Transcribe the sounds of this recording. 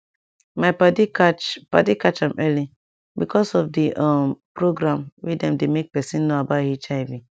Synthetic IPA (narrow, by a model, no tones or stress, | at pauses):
maɪpatiapa̰tikat͡ʃãmʔɛli | bikʰɔsɔfdiʔapɾoɡɾãmwidɛ̃mdemek̚pɛsĩnnːoabathit͡ʃaɪvĩ